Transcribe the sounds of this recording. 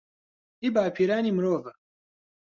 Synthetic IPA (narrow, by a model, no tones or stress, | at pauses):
ibaːpʰiɾanʲimɾoːvɐ